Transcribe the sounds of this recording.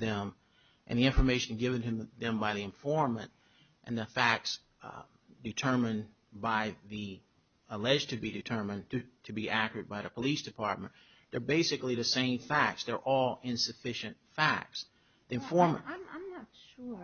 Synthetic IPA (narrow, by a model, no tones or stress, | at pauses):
ðɨ̃m | ʔɨ̰̃nðiɪ̃ɱfə˞meɪʃɨ̃n̩ɡɪvɨ̃ntɨðɨ̃mbaɪðiɨ̃ɱfɔɹmːɨ̰̃nt | ʔɨ̃nðɨfæk̚ts | dɨtʰɜ˞mɨ̃n | baɪði | əlɛd͡ʒtʰɨbidɨtʰɜ˞mɨ̃ntʰɨtʰɨbiʔækjɨ˞d̚baɪðɨpʰəlisd̥ɨpʰɑɹt̚mɨ̃n | ðə˞beɪsɨkliðɨsẽɪ̃ɱfæk̚tsðə˞ʔɔlˠɪ̃nsɨfɪʃɨ̃ntfæ̰k̚ts | ðiɨ̃ɱfɔɹm̃ɪmãɪ̃mnətʃʊ